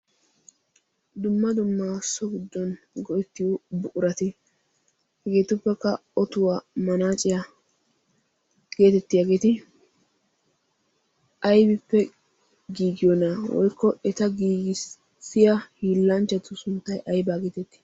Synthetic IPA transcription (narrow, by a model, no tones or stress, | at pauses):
d̪ʊmːɐd̪ʊmːasɔɡɪd̪ːɔn | ɡɔʔɛt̪ːɪjɔbʊʔʊɾɐt̪ɪ | hɛɡe̞ːt̪ʊpːɛkːɐɔt̪ʊwaːmɐnaːt͡ʃʼɪja | ɡ̥e̞ːt̪ɛt̪ːɪjaɡeːt̪ɪ | ʔɐjbɪpːɛ | ɡiːɡɪjɔnɐwɔ̰jkʰːɔʔɛt̪ɐɡiːɡɪs | sɪjɐhiːlːɐnt͡ʃːɐt̪ʊsʊnt̪ːɐjʔɐjbaːɡeːt̪ɛt̪ːɪ̥